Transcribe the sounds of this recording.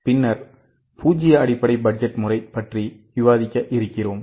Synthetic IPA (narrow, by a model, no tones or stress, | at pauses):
pɪnːɐɾ | puːd͡ʒɪjɐɐɽɪpːɐɽɐɪbɐd͡ʒɐʈmʊrɐɪpɐʈriʋɪʋaːðɪkːɐʔɪɾɯkːɪroːm